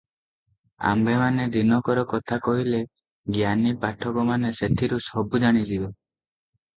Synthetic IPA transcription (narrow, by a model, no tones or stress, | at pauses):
a̰mbemaned̪inɔkɔɾɔkɔt̪ʰakɔɦile | ɡjanipaʈʰɔkɔmaneset̪ʰiɾusɔbud͡ʒaɽ̃id͡ʒibɔ